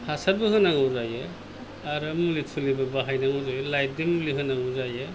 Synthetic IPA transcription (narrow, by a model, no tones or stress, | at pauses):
hasaɾ̚bɯhɯnaŋɔwzajɯ | aɾɯmulitʰulibabaɦajnaŋɔzajlajdimliɦɯnːaŋɔzajɯ